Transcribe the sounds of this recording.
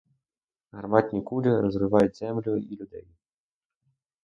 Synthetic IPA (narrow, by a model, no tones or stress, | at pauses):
ɦɐrmɑtʲnʲikulʲiɾɔzɾɪʋɑjʊt̚ʲzɛmlʲʊilʲʊd̪ɛ̰j